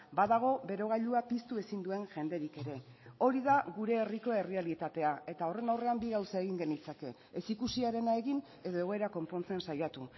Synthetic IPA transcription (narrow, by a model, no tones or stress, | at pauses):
baðaɣ̞o̞be̞ɾo̞ɣ̞aʎuapist̪ue̞sind̪ue̞ŋʝe̞nd̪e̞ɾike̞ɾe̞ | o̞ɾiðaɣuɾe̞ːriko̞e̞realit̪at̪e̞ae̞t̪ao̞re̞nawre̞ambiɣawsaeɣiŋɡe̞nit͡sake̞ | esikusiaɾe̞nae̞ɣin | e̞ðo̞e̞ɣo̞eɾako̞mpo̞nt͡se̞nsajat̪u